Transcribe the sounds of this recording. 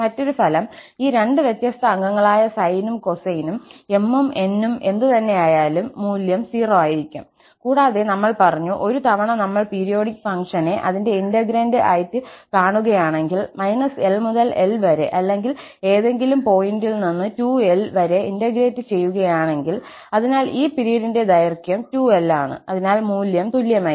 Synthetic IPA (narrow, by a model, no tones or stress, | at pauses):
mɐtːo̞ɾufɐlɐmiːɾe̞ɳɖɨʋjet̪jɐst̪ʰɐːŋɡɐŋːɐɭaːjɐsɐjnumko̞sɐjinume̞mːume̞nːume̞nd̪ɨt̪ɐnːe̞aːjaːlumːuːljɐmsiːroaːjiɾikʲːum | kuːɽaːðenɐmːɐɭpɐrɐɲːuʔo̞ɾut̪ɐʋɐɳɐnɐmːɐɭpiːɾijo̞ːɽikʲːfɐŋʂɐne̞ʔɐðinde̞indɐɡɾeːndeʔaːjt̪ːɨkaːɳuɣɐjaːɳe̞ŋɡilmɐjnɐselmuðɐlelʋɐɾḛʔɐlːe̞ŋɡil | e̞ːðe̞ŋɡilumpo̞ːjindilninːɨtuːe̞lʋɐɾeindɐɡɾe̞ːtːɨt͡ɕe̞jːuɣɐjaːɳe̞ŋɡil | ɐðinaːlʔiːpiɾijɾinde̞d̪ɐjɐrkjɐmtue̞lːaːɳɨ̰ɐðinaːlmuːljɐmt̪ulːjɐmaː